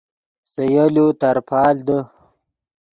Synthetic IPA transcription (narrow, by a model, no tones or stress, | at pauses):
səjolut̪aɾpʰɑːld̪ə